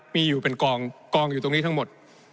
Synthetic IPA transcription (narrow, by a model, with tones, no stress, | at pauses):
miː˧juː˨˩pe˧nkɔː˧ŋkɔː˧ŋjuː˨˩t̪o˧ŋniː˦˥t̪ʰa˥ŋmo˨˩t̪̚